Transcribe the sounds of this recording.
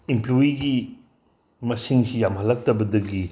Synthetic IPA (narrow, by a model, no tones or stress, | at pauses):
imploiɡi | mɐsiŋsijamhɐlːɐk̚tɐbɐdɐɡi